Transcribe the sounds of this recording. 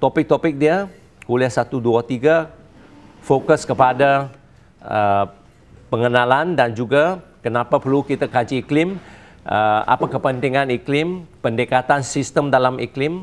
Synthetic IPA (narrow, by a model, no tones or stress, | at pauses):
t̪ɔpɪk̚t̪ɔpɪk̚dia | kuliahsat̪uduat̪iɡa | fokəskəpada | ə | pəŋənalandand͡ʒuɡakənapapərlukit̪akat͡ʃiːklɪm | ʔəa̰pakəpənt̪iŋaniklɪmpəndəkat̪ansist̪əmdalamḭklɪm